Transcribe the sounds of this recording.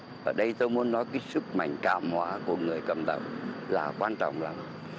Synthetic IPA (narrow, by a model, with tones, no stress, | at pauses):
ʔəː˧˩ɗə˧jt̪o˧jmu˨˦ənːɔ˨˦jkaː˨˦jsɨ˦˥k̚ma̰˧˩jŋ̟ka̰ː˧˨mhwaː˨˦ku˧˩əŋɨ˨˩əjkə˨˩mɗ̪ə̰˧˩wlaː˨˩kwaː˧nt͡ɕɔ̰˧˨wŋ͡mlaː˨˩m